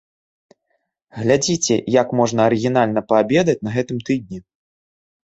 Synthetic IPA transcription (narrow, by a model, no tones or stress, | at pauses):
ɣlʲad͡zʲit͡sʲɛ̰jakmɔʐnɐːɾɨɣʲinalʲn̪ɐpɐabʲɛd̪ɐt͡sʲnɐɣɛt̪ɨmt̪ɨd̪̚ʲnʲi